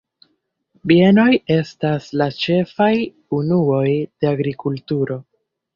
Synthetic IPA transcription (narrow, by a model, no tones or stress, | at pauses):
bie̞no̞je̞staslat͡ʃe̞faj | unuo̞jd̥e̞aɡɾikultuɾo̞